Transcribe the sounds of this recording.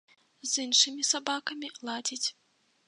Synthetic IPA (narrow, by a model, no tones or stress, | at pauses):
zɨnʂɨmʲisabakɐmʲilˠad͡zʲit͡sʲ